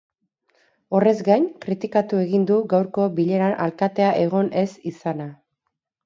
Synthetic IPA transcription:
o̞re̞zɡajnkɾit̪ikat̪ue̞ɣind̪uɡawɾko̞biʎe̞ɾanʔa̰lkat̪e̞aʔe̞ɣ̞o̞nʔe̞sisana

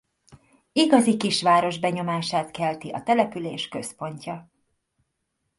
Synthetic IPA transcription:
iɡɒzikiʃʋaːɾo̞ʒbɛɲo̞maːʃaːt̪kɛlt̪iʔɒ̰t̪ɛlɛpyleːʃkø̞spo̞ɲcɒ

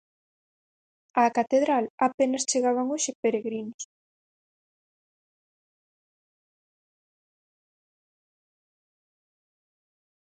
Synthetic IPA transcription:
akat̪eðɾalapenɐst͡ʃeɣaβaŋoʃepeɾeɣɾinʊs

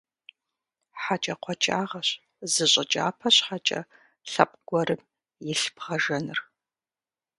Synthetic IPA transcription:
ħat͡ʃʼɐqʷʰɔt͡ʃʼaːʁɐɕ | zɨɕʼɪt͡ʃʼa̰ːpʰɐɕħat͡ʃʼɐ̰ | ɬɐp̚ʼɡ̥ʷɔɾɨm | jɪɬpʁɐʒɐnɨr

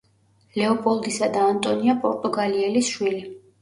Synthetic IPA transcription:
lɛɔpʼɔlˠd̪isad̪aːnt̪ʼɔniapʼɔɾt̪ʼuɡaliɛlisʃwili

